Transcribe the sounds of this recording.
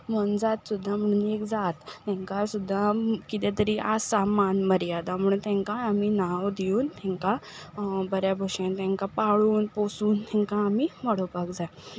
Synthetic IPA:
mənd͡zat̪sud̪ʱːam̤əɳ̃uːnekd͡zat̪ːɛ̃ŋkasud̪ʱːakit̪ɛ̃t̪əɾiʔasamanməɾjad̪am̤uɳt̪ɛ̃ŋkaːminawd̪iuːnt̪ʰɛ̃ŋka | bəɾjabʱoɕẽnt̪ɛ̃ŋkapaɭuːnposuːnt̪ʰɛ̃ŋkaːmiməɽopakd͡zaj

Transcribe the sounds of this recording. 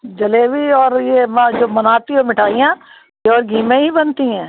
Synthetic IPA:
d͡ʒɐleʋiɔːɾjemd͡ʒoːmɐnaːt̪iomɪʈʰaːijã | jeɔːɾɡʱiːmẽɦibɐnt̪iɦɛ̃ː

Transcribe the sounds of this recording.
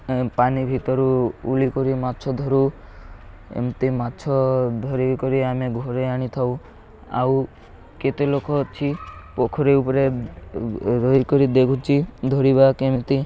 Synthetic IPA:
panibʱit̪ɔɾuṵlikɔɾimatːt͡ʃʰɔd̪ʱɔɾu | ḛmt̪imatːt͡ʃʰɔd̪ʱɔɾikɔɾiameɡʱɔɾeaɽ̃it̪ʰaũ | a̰w | ket̪elokɔt͡ʃʰipokʰɔɾeupɔɾe | ɾoikɔɾid̪ekʰut͡ʃʰid̪ʱɔɾiβakemt̪i

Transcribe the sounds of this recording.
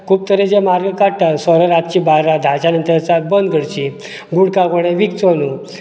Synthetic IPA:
kʰuːp̚t̪əɾed͡ʑemaɾɡəkaʈasɔɾəɾat̪̚t͡ɕiːbaɾad̪ʱat͡ɕanənt̪əɾt͡sabənd̪ɡʱəɽt͡ɕi | ɡuɽkãkoɽẽʋikt͡sonu

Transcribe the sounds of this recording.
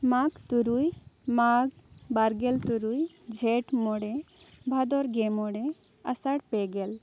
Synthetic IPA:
maɡt̪uɾujmaɡ | baɾɡɛlt̪uɾuj | d͡ʒʱɛʈmɔɽe | bʱad̪ɔɾɡɛmɔɽe | a̰saɽpɛɡɛl

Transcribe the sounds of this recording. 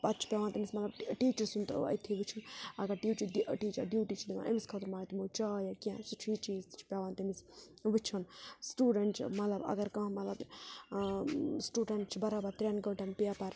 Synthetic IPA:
ɐt̪t͡ʃʰi̥pʲjaːʋaːnt̪emismɐt̪lɐbʈiːt͡ʃɐɾsunt̪ːɐ̰t̪ʰiʋɨt͡ʃʰunɐɡɐɾʈiːt͡ʃud̪ʈiːt͡ʃɐɾɖjuːʈiːt͡ʃʰid̪imã̰ːʔɐmiskʰɐt̪ʰuɾmaːt̪imoːt͡ʃaːjakijãsut͡ʃʰiːt͡ʃiːzt͡ʃʰpʲaːʋaːnt̪emis | ʋɨt͡ʃʰunsʈuːɖɐɳʈt͡ʃʰmɐt̪lɐbɐ̰ɡɐɾkɐ̃ɦmɐt̪lɐb | sʈuːɖɐɳʈt͡ʃʰbɐɾaːbɐɾt̪ɾʲaːnɡəʈɐnpjaːpɐɾ

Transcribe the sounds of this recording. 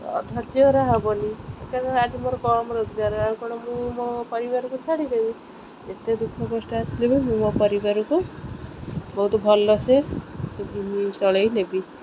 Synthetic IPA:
ɔ̰d̪ʱad͡ʒjɔɾaɦabɔnikakɔad̪imoɾɔkɔɾmɔɾod͡ʒɡaɾɔaɾkɔɽɔmũmɔpɔɾibaɾɔkut͡ʃʰaɽid̪ebi | et̪ed̪ukʰɔkɔsʈaasilebɔnimũmɔpɔɾibaɾɔku | bɔɦut̪ɔbʱɔlɔsesed̪iɦĩsɔɭejlebi

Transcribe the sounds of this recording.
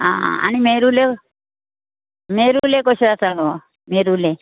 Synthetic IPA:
a̰a̰nimeɾule | meɾulekɔsɔɾasalɔ | meɾule

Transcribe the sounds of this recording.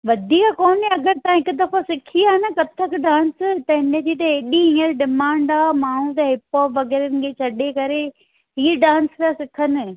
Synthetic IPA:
ʋɐd̪ʱiːkakɔːniɐɡəɾt̪aãɦɪkʊ̆d̪ɐfãsɪkʰiaːnɐkɐt̪ʰəkɖãːnst̪ɐɦɪnet̪ʰit̪̬ɐɦeːɗiɦĩəɾɖɪmãːɳɖaːmaːɳ̤ũt̪ɐɦɪpɔːpʋɐɣɛːɾənɪ̆kʰeːt͡ɕʰɐɗekɐɾe | ɦiːɖãːnskasɪkʰənɪ̆

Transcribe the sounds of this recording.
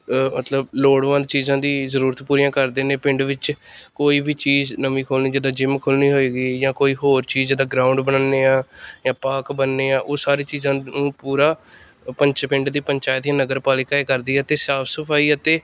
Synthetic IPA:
mət̪ləbloːɽʋə̃nd̪t͡ʃiːzãːd̪iːzəɾuːɾət̪puːɾijãːkəɾd̪eːnẽːpɪ̃ɳɖʋɪt͡ʃkoːiːbʱiːt͡ʃiːznəmĩːkʰoːlniːd͡ʒəd̪aːd͡ʒɪmkʰʊːlniːɦoːiːɡiːjãːkoːiːɦoːɾt͡ʃiːzd͡ʒəd̪aːɡɾãːʊɳɖbənaːnːeːaːjãːpaːkbənːeːaːʔoːsaːɾeːt͡ʃiːzãːnũːpuːɾaː | pəɲt͡ʃpɪ̃ɳɖd̪iːpəɲt͡ʃaːət̪jãːnəɡəɾpaːlɪkaːeːkəɾd̪iːɦɛt̪eːsaːpʰsəpʰaːiːət̪eː

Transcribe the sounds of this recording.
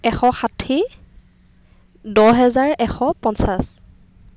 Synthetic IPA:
ɛxɔxatʰi | dɔɦɛzaɹɛxɔpɔnsas

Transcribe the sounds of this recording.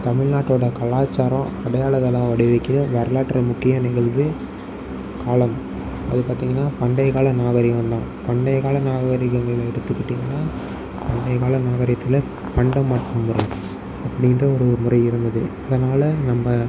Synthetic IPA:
t̪ɐmɪɻnaːʈːoːɽɐkɐɭaːt͡ʃːaːɾɐ̃ɐɽɐjaːɭɐðɐlːãːʋɐɽɪʋɐɪkːɪɾɐʋɐɾɐlaːʈːrɐmʊkːɪjɐnɪɣɐɭʋɯ | kaːlɐm | ɐ̰ðɯpaːɾt̪iːŋɡɐnːaːpɐɳɖɐɪɣaːɭɐnaːɣɐɾɪʋɐnd̪ãː | pɐɳɖɐɪɣaːɭɐnaːɣɐɣɐɾɪɣɐŋɡɐɭɪlɛɽɯt̪ːɯkːɪʈːɪŋɡɐnːaː | pɐɳɖɐɪɣaːɭɐnaːɣɐɾɪjɐt̪ːɪlɐ | pɐɳɖɐmːaːʈrɯmːʊrɐɪ | ɐpːɐɽɪndrɐɔɾɯmʊrɐɪɪɾɯnd̪ɐðɯɐðɐnaːlɐnɐmːɐ

